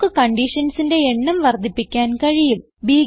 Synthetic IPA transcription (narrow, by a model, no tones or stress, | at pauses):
kːɨkɐɳɖiʂɐnsinde̞eɳːɐmʋɐrd̪ʱipːikʲːaːnkɐɻijum | biː